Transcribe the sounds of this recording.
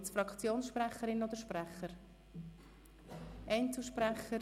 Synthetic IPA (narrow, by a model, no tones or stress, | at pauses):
t͡sfɾɑkt͡sjoːnsʃpɾɛχəɾɪnɔd̪əɾʃprɛχəɾ | ʔɛɪntuʃprɛχə